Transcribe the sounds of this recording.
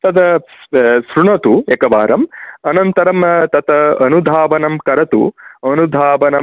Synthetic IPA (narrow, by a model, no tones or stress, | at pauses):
t̪ɐt̪ɐ | sɾuɳɐt̪uekɐʋaːɾɐmɐnɐnt̪ɐɾɐmt̪ɐt̪ɐɐnud̪ʱaːʋɐnɐmkɐɾɐt̪ṵɐnud̪ʱaːʋɐnɐ